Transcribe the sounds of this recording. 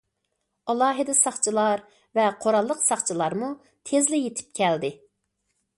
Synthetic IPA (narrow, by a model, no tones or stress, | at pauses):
ɑlˠɑːɦɨd̪ɛsɑχt͡ʃʰilˠɑɾ | vɛqʰoɾɑlˠːəqsɑχt͡ʃʰilˠɑɾmu | t̪ʰezlɪjet̪ʰɪ̥p̚kʲʰɛld̪ɪ